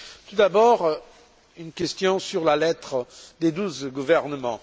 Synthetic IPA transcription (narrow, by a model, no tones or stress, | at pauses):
t̪ud̪abɔʁ | ynkʲɛst̪jɔ̃syʁlalɛt̪χəd̪ed̪uzɡuvɛʁnəmɑ̃